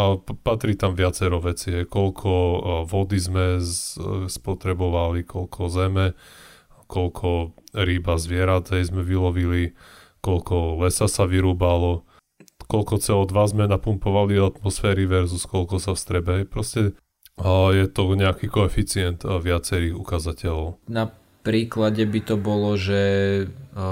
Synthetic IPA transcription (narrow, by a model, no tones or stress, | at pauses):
pat̪ɾit̪amʋɪat͡sɛɾɔʋɛt͡siɦɛjkɔlkʰɔʋɔd̪izmɛ | spɔt̪ɾɛbɔʋalikɔlkʰɔzɛmɛ | kɔlkʰɔɾiːbazʋɪɛɾat̪ɦɛjzmɛʋilɔʋili | kɔlkɔlɛsasaʋiɾuːbalɔ | kɔlkɔt͡sɛɔd̪ʋazmɛnapumpɔʋaliat̪mɔsfɛːɾiʋɛɾzuskɔlkɔsafst̪ɾɛbɛɦɛjpɾɔscɛ | jɛt̪ɔɲɛakikɔɛfit͡siɛnt̪ʋɪat͡sɛɾiːɣukazacɛlɔʊna | pɾiːklaɟɛbit̪ɔbɔlɔʒɛ